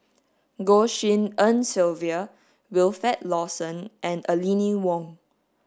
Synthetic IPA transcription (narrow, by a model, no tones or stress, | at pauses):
ɡoʃĩnə̃nsilviə | wɪlfɛt̚lɔsə̃nʔɛ̃nəliniwɔ̃ŋ